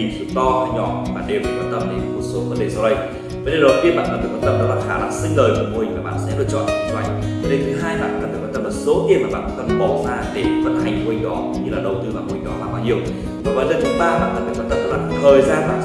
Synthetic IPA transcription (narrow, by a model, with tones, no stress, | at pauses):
i˨˩sɨu˨˧˦t̪ɔ˧aː˧˩ɲɔ˧˩i˨˩ɓa̰ː˨˩nɗe˨˩wkwa˧nt̪ə˧mɗe˨˦˧ku˧˩so˨˦və˨˦nɗe˧˨˩sɔ˧wɗə˧j | və˨˦nɗe˨˩ɗə˨˩t̪i˧ənɓa̰ː˧˨nkə˨˧˦ɗɨ˨˩kwa˧nt̪ə˧mɗɔ˨˦laː˨˩xaː˧˩la̰ː˧˩ŋsï˧ŋləː˨˩jmaː˨˩mo˧hi˨˩ŋvaː˨˩ɓa̰ː˧˨nsɛ̰˧˥ɗɨ˨˩t͡ɕɔ̰˧˩a̰˨˧˩t͡ɕa˨˩jŋ˧˦ne˧nt̪ʰɨ˨˦ɦaː˧jɓa̰ː˧˨ʔa˧˦˩ɗɨ˨˩kwaː˧nt̪ə˧mə˨˩so˨˦t̪i˧ənmaː˨˩ɓa̰ː˧˨nkwa̰˧˦nt̪ə˧mɓə˨˩wzaː˧ɗe˧˩və̰˧˥nha˨˩jŋ̟mo˧hi̟˨˩ɗɔ˨˦kŋ͡mɲɨ˧laː˨˩ɗə˨˩wt̪ɨ˧maː˨˩mo˧hi̟˨˩ɗɔ˨˦laː˧˩maː˧˩hi˨˩əw | zo˨˩vəː˨˦nle˧nt̪ʰɨ˨˦ɓaː˧˩ɓa̰ː˧˨nʔəː˨˩nɗɨ˨˩kwa˧nt̪ə˧mɗɔ˨˦laː˨˩t̪ʰəː˨˩jzaː˧nlaː˨˩